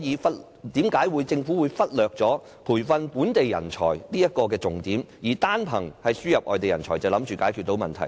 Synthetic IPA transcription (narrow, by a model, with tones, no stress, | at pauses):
jiː˨˧fɐ˥t̚ | t̪iː˨˥mkaː˨˥jwuː˨˧jt͡sɪ˧ŋfuː˨˥wuː˨˧jfɐ˥t̚lœː˨k̚t͡sɔː˨˥ | pʰuː˨˩jfɐ˧npuː˨˥nt̪e˨jːɐ̰˨˩nt͡ʃʰɔ̰ː˨˩jliː˥jɐ˥t̚kɔː˧k̬ɛː˧t͡sʊ˨ŋt̪iː˨˥m | jiː˨˩t̪aː˥npʰɐ˨˩ŋhɐ˨jsyː˥jɐ˨p̚ʔɔː˨˧jt̪e˨jɐ˨˩nt͡sʰɔː˨˩jt͡sɐ˨wlɐ˨˥mt͡ʃyː˨kaː˨˥jkʰyː˨t̚t̪o˨˧wmɐ˨nt̪ʰɐ˨˩j